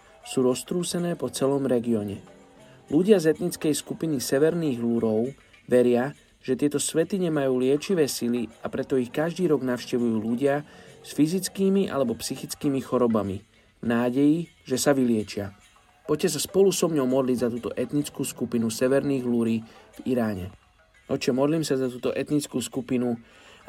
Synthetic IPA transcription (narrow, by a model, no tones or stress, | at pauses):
suːɾɔst̪ɾuːsɛnɛːpɔt͡sɛlɔmɾɛɡiɔɲɛ | luɟɪazɛt̪nit͡skɛjskupinisɛʋɛɾniːɣluɾɔʊ | ʋɛɾɪa | ʒ̥ɛt̪ɪɛt̪ɔsʋɛt̪iɲɛmajuːlɪɛt͡ʃiʋɛːsiliapɾɛt̪ɔixkaʒd̪iːɾɔɡnaʊʃcɛʋujuːluɟɪasfizit͡skiːmiʔa̰lɛbɔpsixit͡skiːmixɔɾɔbami | naːɟɛji | ʒɛsaʋilɪɛt͡ʃɪa̰ | pɔccːɛs̬aspɔlusɔmɲɔʊmɔd̪lizat̪uːt̪ɔ̰ʔɛt̪nit͡skuːskupinusɛʋɛɾniːɣɦluɾiːv̥iɾaːɲɛ̰ | ɔt͡ʃɛmɔd̪liːmsazat̪uːt̪ɔʔɛt̪nit͡skuːskupinu